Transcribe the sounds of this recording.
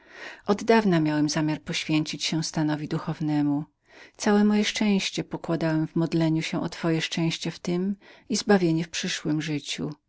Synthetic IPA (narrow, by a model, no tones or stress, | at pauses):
ʔɔd̪d̪avnamʲjawɛmzamʲjaɾpɔɕfʲjeɲt͡ɕit͡ɕɕɛw̃st̪anɔvʲid̪uxɔvnɛmu | t̪sawɛmɔjɛʂt͡ʂɛ̃w̃ɕt͡ɕɛpɔkwad̪awɛmvmɔd̪lɛɲuɕɛʔɔt̪fɔjɛʂt͡ʂɛ̃w̃ɕt͡ɕɛft̪ɘmizbavʲjeɲɛfpʂɘʂwɘmʐɘt͡ɕṵ